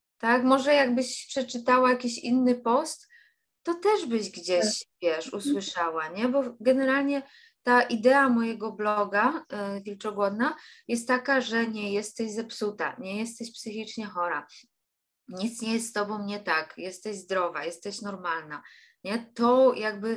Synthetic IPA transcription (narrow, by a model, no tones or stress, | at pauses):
t̪akmɔʐɛjaɡbɘɕpʂɛt͡ʂɘt̪awajakʲiɕinːɘpɔst̪ː | ɔt̪ɛʐbɘɕɡd͡ʑɛɕvʲjɛʂuswɘʂawaɲɛbɔɡɛnɛɾalɲɛ | t̪aʔid̪ɛamɔjɛɡɔblɔɡavʲilt͡ʂɔɡwɔd̪najɛst̪ːakaʐɛɲɛjɛst̪ɛʑzɛpsut̪a̰ɲɛjɛst̪ɛɕpsɘxʲit͡ʂɲɛxɔɾa | ɲit̪sɲɛjɛst̪t̪ɔbɔ̃w̃ɲɛt̪akjɛst̪ɛʑzd̪ɾɔva̰jɛst̪ɛɕnɔɾmalna | ɲɛt̪ɔjaɡ̚bɘ